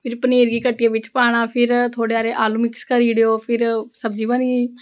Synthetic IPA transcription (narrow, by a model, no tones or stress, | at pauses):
pʰɪɾpəneːɾɡiːkəʈːijeːʋɪt͡ʃpaːɽ̃ãːpʰɪɾt̪ʰoːɽeːaːɾeːʔaːluːmɪkskəɾiːɽejoːpʰɪɾsəbd͡ʒiːʋãːniː